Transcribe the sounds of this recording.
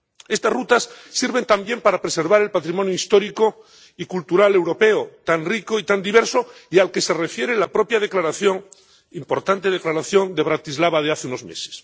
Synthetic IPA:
e̞st̪azrut̪asːiɾβe̞nt̪ambje̞mpaɾapɾese̞ɾβaɾe̞lpat̪ɾimonjoist̪o̞ɾiko | ikult̪uɾale̞wɾo̞pe̞ot̪anrikoit̪and̪iβ̞e̞ɾsoialke̞se̞re̞fje̞ɾelapɾo̞pjaðeklaɾaθjoŋ | impo̞ɾt̪ant̪e̞ð̞eklaɾaθjo̞nd̪eβ̞ɾat̪izlaβað̞eaθeuno̞zmḛse̥s

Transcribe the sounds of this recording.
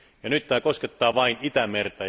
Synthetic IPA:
jɑnyt̪t̪æːkosket̪ːɑːʋɑinit̪æmert̪æ

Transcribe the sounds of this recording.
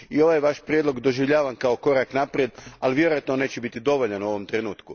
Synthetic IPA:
io̞ʋajʋaʃpɾjed̪lo̞ɡd̪o̞ʒiʋʎaːʋamkao̞ko̞ɾaknapɾjed̪aliʋje̞ɾojat̪none̞ːt͡ɕebit̪id̪o̞ʋo̞ʎanuo̞ʋo̞mt̪ɾenuːt̪ku

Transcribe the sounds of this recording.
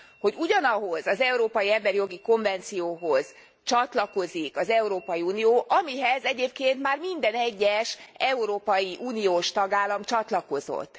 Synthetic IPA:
ho̞ɟuɟɒnɒɦo̞zɒzɛuɾoːpɒjiɛmbɛɾijo̞ɡiko̞ɱvɛnt̪sijoːɦo̞z̥ | t͡ʃɒt̪lɒko̞zikɒzɛuɾoːpɒjiuːnijoːʔɒmiɦɛzɛɟeːp̚keːnt̪maːrmind̪ɛnɛɟːɛʃɛuɾoːpɒjiʔuːnijoːʃt̪ɒɡaːlːɒmt͡ʃɒt̪lɒko̞zo̰t̪ː

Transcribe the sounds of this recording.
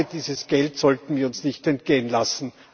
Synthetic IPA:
əd̥iːzəsɡ̥ɛltsɔltn̩viːɐʊnsnɪçtɛnt̚ɡ̥eːənlasn̩

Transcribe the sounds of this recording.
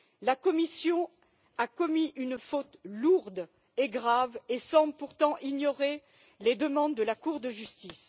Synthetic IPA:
lakɔmisjɔ̃ | akɔmiʔynfot̪luʁd̪ | eɡʁavesɑ̃blpuʁt̪ɑ̃ʔiɲɔʁe | led̪əmɑ̃d̪ːəlakuʁd̪əʒyst̪is

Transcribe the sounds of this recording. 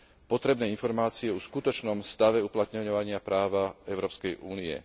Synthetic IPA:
pɔt̪ɾɛbnɛːinfɔɾmaːt͡siɛɔskut̪ɔt͡ʃnɔmst̪aʋɛuplat̪ɲɔɲɔʋaɲɪapɾaːʋaɛʊɾɔːpskɛjʔuːniɛ̰

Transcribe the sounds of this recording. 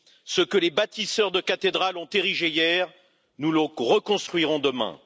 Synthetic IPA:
səkəlebat̪isœʁd̪əkat̪ed̪ʁalɔ̃t̪eʁiʒejɛːʁ | nuləʁəkɔ̃st̪χɥiʁɔ̃d̪əmɛ̰̃

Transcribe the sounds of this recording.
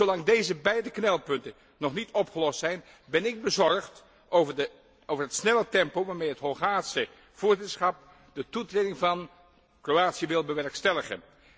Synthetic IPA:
zowlɑŋdejzəbɛjdəknɛlˠpɵntən | nɔχnitɔpχəlɔstsɛjn | bɛnɪɡ̚bəzɔɹχt | ovədə | owvəɹɦətsnɛlətɛmpowʋaːɹmejɦətɦɔlˠχaːsə | v̥ʊːɹzɪtəɹsχɑp̚ | dətutrejdɪŋvɑn | krowaːtsiəʋɪlˠbəʋɛɹkstɛləχə̰n

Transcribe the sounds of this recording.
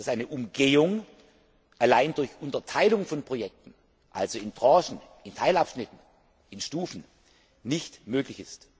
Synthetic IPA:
d̥asʔaɪnəʔʊmɡeːʊŋ | ʔalaɪndʊɐçʔʊntɐtʰaɪlʊŋfɔnpʁ̥ojɛk̚tn̩ | ʔalzoɪntʁɑ̃ːʃn̩ | ɪntʰaɪlapʃnɪtn̩ | ʔɪnʃtuːfn̩ | nɪçtmøːklɪçɪst

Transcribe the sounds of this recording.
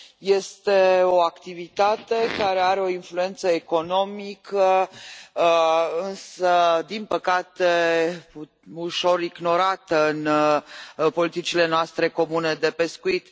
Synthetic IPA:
je̞st̪e̞o̞akt̪ivit̪at̪e̞kaɾe̞aɾeo̞influe̞nt̪səeko̞no̞mikʰə | ɨnsəd̪inpəkat̪e | uʃo̞ɾiɡno̞ɾat̪əɨn | po̞lit̪it͡ʃile̞noast̪ɾe̞ko̞mune̞d̪e̞pe̞skuit̪

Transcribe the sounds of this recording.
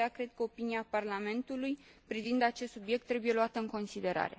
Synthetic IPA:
akɾed̪̚kəo̞piniaparlame̞nt̪ulujpɾivind̪at͡ʃest̪subje̞k̚t̪ːɾe̞buje̞luat̪əɨŋko̞nsid̪e̞ɾa̰ɾe̞̰

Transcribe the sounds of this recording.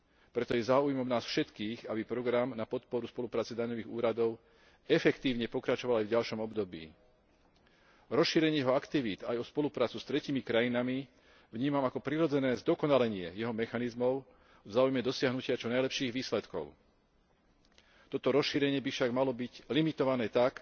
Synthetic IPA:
pɾɛt̪ɔjɛzaːujɛmɔmnaːsfʃɛt̪kiːɣabipɾɔɡɾamnapɔt̪pɔɾuspɔlupɾaːt͡sɛd̪aɲɔʋiːɣuːɾad̪ɔʊ | ɛfɛkt̪iːʊɲɛpɔkɾat͡ʃɔʋalajvɟalʃɔmɔbd̪ɔbḭː | ɾɔsʃiːɾɛɲɪɛjɛɦɔakt̪iʋiːt̪ajɔspɔlupɾaːt͡sust̪ɾɛciːmikɾajinami | vɲiːmamakɔpɾiɾɔd͡zɛnɛːzd̪ɔkɔnalɛɲɪɛjɛɦɔmɛxanizmɔʊ | vzaːujmɛd̪ɔsɪaɦnucɪat͡ʃɔnajlɛpʃiːɣʋiːslɛt̪kɔ̰ʊ | t̪ɔt̪ɔɾɔsʃiːɾɛɲɪɛbifʃaɡmalɔbiɟlimit̪ɔʋanɛːt̪ak

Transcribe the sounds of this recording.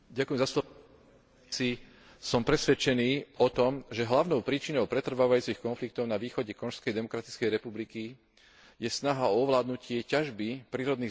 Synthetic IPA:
ɟakujɛmzaslɔ | si | sɔmpɾɛsʋɛt͡ʃɛniːɔt̪ɔmʒɛɦlaʊnɔʊpɾiːt͡ʃinɔʊpɾɛt̪r̩ʋaːʋajuːt͡sixkɔnflik̚t̪ɔʊnaʋiːxɔɟɛkɔnʃskɛjd̪ɛmɔkɾat̪it͡skɛjɾɛpubliki | jɛsnaɦaɔɔʋlaːd̪nucɪɛcaʒbipɾiːɾɔd̪niː

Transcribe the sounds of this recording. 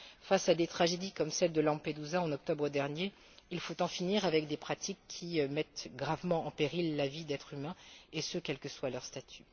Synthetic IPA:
fasad̪et̪χaʒed̪ikɔmsɛld̪əlɑ̃ped̪uzaɑ̃nɔk̚t̪ɔbʁəd̪ɛʁnje | ilfot̪ɑ̃finiʁavɛk̚d̪epχat̪ikʲʰːimɛt̪ɡʁavmɑ̃ʔɑ̃peʁilːavid̪ɛt̪χymɛ̃esøkʲɛlkəswalœʁst̪at̪ʰy̥

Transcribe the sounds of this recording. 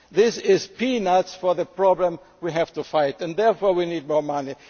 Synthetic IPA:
ðɪsɪzpʰinatsfɔ˞ðəpʰɹ̥ɔblə̃m | wiɦæv̥tufaɪtɛ̃ndðɛɹfɔːɹwinid̚mɔɹmani

